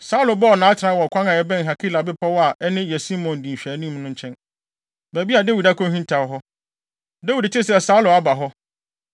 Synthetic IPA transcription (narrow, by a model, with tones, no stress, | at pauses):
sa˦u˦lʊ˨bɔ˦ɔ˨nãː˨˦t͡ɕʰɪ˨ã˦wɔ˨kʰʷã˦ŋã˨ɛ˦bɛ̃˦ŋ˨ɦa˨kʰi˦la˨bɪ˦pʰa˦wɔ˦a˨ʔɛ˦nɪ̃˦jɛ˨si˦mɔ̃˨n˨dĩ˨ɕᶣæ˨˦nĩ˦mnʊ̃˦ɲ̩˦t͡ɕʰɛ̃˦n | bæ˨bi˦a˨dæ˦wi˨da˦kʰɔ̃˦hĩ˦n˦tʰa˨˦ɦɔ˦ | dæ˦wi˨dt͡ɕʰɪ˦sɛ˨sa˦ʊ˦lʊ˨a˦ba˨ɦɔ˦